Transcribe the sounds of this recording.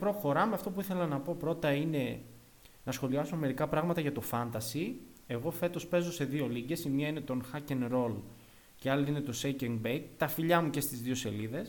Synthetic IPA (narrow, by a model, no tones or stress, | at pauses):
pɾoxo̞ɾɐmeɐft̪o̞p̬uiθe̞lɐnɐpo̞pɾo̞t̪ɐine̞ | nɐsxo̞liɐsunme̞ɾikɐpɾɐɣmɐt̪ɐʝɐt̪o̞fɐnt̪ɐsi | e̞ɣo̞fe̞t̪o̞spe̞zo̞se̞ðio̞liɟe̞simɲɐine̞t̪o̞nxɐcenɾo̞l | ce̞ɐliine̞t̪o̞seceŋɡbejkt̪ɐfiʎɐmuce̞st̪izðio̞se̞liðe̞s